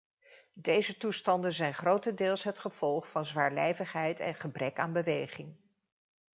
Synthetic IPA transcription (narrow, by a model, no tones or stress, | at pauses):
dejzətustɑndənzɛjnχrowtəndɪːlˠsɦətχəv̥ɔlˠχfɑnzʋaːɹlejvəχɦɛjtɛ̰nχəbrɛka̰ːnbəʋejχɪŋ